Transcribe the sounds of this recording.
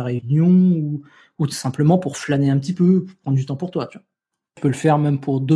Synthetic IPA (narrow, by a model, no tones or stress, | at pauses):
aʁeynjɔ̃u | utu̥sɛ̃pləmɑ̃puʁflaneɛ̃pət̪ipøpuʁpχɑ̃d̪ʁd̪yt̪ɑ̃puʁt̪wat̪yvḁ | pøləfɛʁmɛmpʰuʁd̪ø